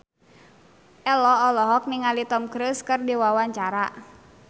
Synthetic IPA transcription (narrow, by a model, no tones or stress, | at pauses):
ʔɛlɔːlɔɦɔk̚niŋalit̪ɔmkɾuskɨrdiwawaɲt͡ʃaɾa